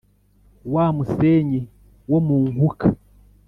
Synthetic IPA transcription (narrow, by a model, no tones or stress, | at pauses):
wamuseɲi | womuːŋɡukḁ